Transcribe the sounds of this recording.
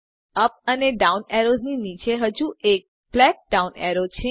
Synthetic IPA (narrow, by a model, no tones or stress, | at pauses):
əp̚əneɖauneɾod͡ʒninit͡ʃeɦəd͡ʒuʔek̚ | blɛk̚ɖauneɾot͡ʃʰe